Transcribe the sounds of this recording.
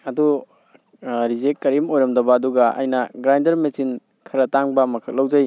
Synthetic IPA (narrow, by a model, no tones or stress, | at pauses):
ɐdu | ɾizekːɐɾimojɾɐmdɐbɐːduɡɐʔɐ̰jnɐɡɾajndɐɾmesin | kʰɐɾɐtaŋbɐmɐkʰɐk̚lɐwd͡ʒɐj